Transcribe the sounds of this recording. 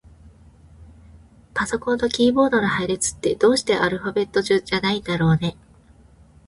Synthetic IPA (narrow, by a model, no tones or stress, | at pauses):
paso̞kõnt̪o̞kʲiːbo̞ːd̪oɾahaiɾet͡sɨ̥t̪ːe̞d̪̥o̞ːɕi̥t̪e̞ʔaɾɯ̟ɸabe̞t̪ːo̞ʑɨːd͡ʑanaid̪aɾo̞ːne̞